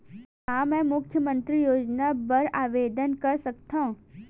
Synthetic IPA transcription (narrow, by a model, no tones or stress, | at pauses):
aːmɛ̃ːmʊkʰjəmə̃nt̪ɾijoːd͡ʒnabɐɾaːʋeːd̪ənkɐɾsɐkt̪aɦũ